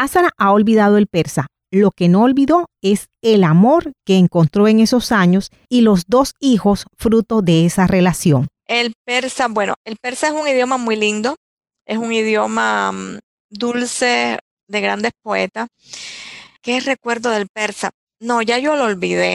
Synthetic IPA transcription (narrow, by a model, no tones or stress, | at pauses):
asanaʔao̞lβiðað̞o̞e̞lpe̞ɾsa | lo̞ke̞no̞ːlβiðo̞e̞s | e̞lamo̞ɾke̞ːŋko̞nt̪ɾo̞e̞ŋe̞so̞saɲo̞s | ilo̞zd̪o̞sixo̞sfɾut̪o̞ðe̞esare̞lasjo̞ŋ | e̞lpe̞ɾsabwe̞no̰e̞lpe̞ɾsaesuŋiðjo̞mamujlind̪o̞ | e̞suŋiðjo̞ma | d̪ulse̞ | ðe̞ɣɾand̪e̞spo̞e̞̰t̪as | kere̞kwe̞ɾðoðe̞lpe̞ɾsa | no̞ʝaʝo̞loːlβiðḛ